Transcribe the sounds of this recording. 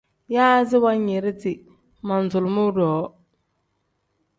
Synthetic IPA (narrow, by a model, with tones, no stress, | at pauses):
jaː˦zɪ˦wa˦ɲe˨ɾɪ˦tɪ˨ | ma˨n̩˨zʊ˨lmʊ˦dɔː˨˦